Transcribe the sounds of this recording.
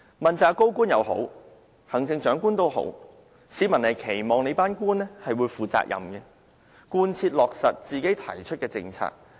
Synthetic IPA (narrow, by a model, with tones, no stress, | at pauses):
mɐ˨nt͡saː˨˧kːo˥wkuː˥njɐ˨˧wɦo̰˨˥w | hɐ˨˩ŋt͡sɪ˧ŋt͡ʃœː˨˥ŋkuː˥nt̪o˥who̰˨˥w | siː˨˥mɐ˨˩nlɐ˨˩jkʰe˨˩jmɔː˨˩ŋne˨˧jpaː˥nkuː˥nɛ˥hɐ˨jwuː˨˧jfuː˨t͡sa̰ː˧k̚jʔɐ̰˨mɡɛ˧ | kuː˧nt͡sʰiː˧t̚lɔː˨k̚sɐ˨t̚t͡siː˨ke˨˥jt̪ʰɐ̰˨˩jt͡ʃʰɵ˥t̚kɛː˧t͡sɪ̰˧ŋt͡sʰa̰ː˧k̚